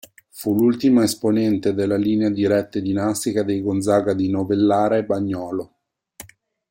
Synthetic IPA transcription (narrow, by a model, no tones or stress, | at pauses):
fulult̪imaesponɛnt̪ed̪elːaliːnead̪iɾɛt̪ːed̪inast̪ikad̪ejɡond̪zaːɡad̪inovelːaːɾaebːaɲːɔːlo